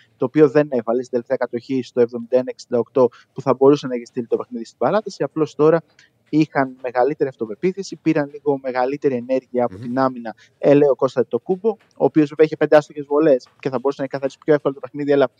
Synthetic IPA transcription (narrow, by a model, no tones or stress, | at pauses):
t̪o̞ːpio̞ðe̞ne̞vɐlesid̪elefteɐkɐt̪o̞çist̪o̞e̞vðo̞mind̪ɐenɐeksind̪ɐokt̪o̞ | puθɐbo̞ɾusenɐeçist̪ilit̪o̞pe̞xniðist̪ibɐlɐt̪ɐsiɐplo̞st̪o̞ɾɐ | ixɐnme̞ɣɐlit̪e̞ɾiɐft̪o̞pe̞piθesipiɾɐnliɣo̞me̞ɣɐlit̪e̞ɾie̞ne̞ɾʝiɐːpot̪inɐminɐ | eleoko̞st̪ɐt̪o̞kubo̞ | o̰ːpio̞zveveɐiçepe̞nd̪ɐst̪oce̞zvole̞sce̞θɐbo̞ɾusenɐeçikɐθɐɾisi̥pço̞efkolot̪ope̞xniðiɐlɐ